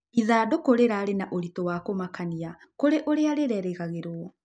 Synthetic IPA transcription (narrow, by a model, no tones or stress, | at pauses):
iðaːdokoɾeɾaɾenaʔoɾitɔwakomakaniakoɾeʔoɾeaɾeɾɛɾeɣaɣeɾoɔ